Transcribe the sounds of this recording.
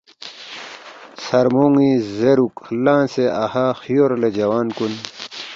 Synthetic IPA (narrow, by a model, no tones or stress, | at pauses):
sɐɾmoːŋizeɾuklãːnseʔahaxijoːɾled͡ʑɐwaːnkun